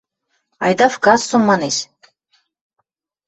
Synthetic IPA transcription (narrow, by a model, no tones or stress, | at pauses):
ɑ̰jd̪ɑfkɑsːumːɑnesʲ